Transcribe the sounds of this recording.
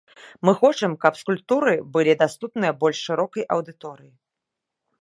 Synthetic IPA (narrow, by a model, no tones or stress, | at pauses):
mɨxɔt͡ʂɐmkɐpskulʲp̚t̪uɾɨbɨlʲid̪ast̪upnɨjɐbɔlʲʂʂɨɾɔkɐjʔɐwd̪ɨt̪ɔɾɨji